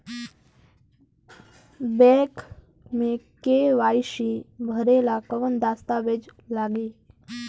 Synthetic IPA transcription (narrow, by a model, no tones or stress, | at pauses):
bɛk | mekeʋajɕibʱəɾelakəʋənd̪ast̪aʋed͡ʑlaɡe